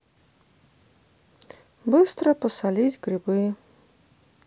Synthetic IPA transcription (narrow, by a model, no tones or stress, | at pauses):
bɨst̪ɾapɔsalʲit̪ʲɡɾʲɪbɨj